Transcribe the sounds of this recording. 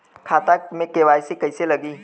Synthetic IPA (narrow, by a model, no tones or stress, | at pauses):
kʰaːt̪amẽkeʋaːjsekɐɪselɐɡiː